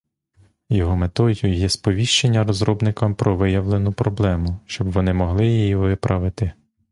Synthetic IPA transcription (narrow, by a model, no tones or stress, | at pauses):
jɔɦɔmet̪ɔdʲjujɛspɔʋʲiʃt͡ʃenʲːɐɾɔzɾɔbnɪkɐmpɾʔɔʋɪjɐʋlˠenʊpɾɔblˠɛmʊʃt͡ʃɔbʋɔnɪmɔɦlˠɪjijiʋɪpɾʔɐʋɪt̪ɪ